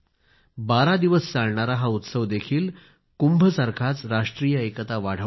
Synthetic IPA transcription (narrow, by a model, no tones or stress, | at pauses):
baɾad̪iʋəst͡saɭɳaɾaɦaut̪səʋd̪ekʰiːl | kumbʱəsaɾkʰat͡sɾaʂʈɾijəekət̪aʋaɽ̤ə